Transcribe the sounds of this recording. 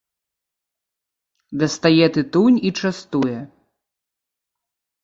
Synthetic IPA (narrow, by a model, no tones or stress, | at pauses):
d̪ɐst̪ajɛt̪ɨt̪unʲit͡ʂast̪ujɛ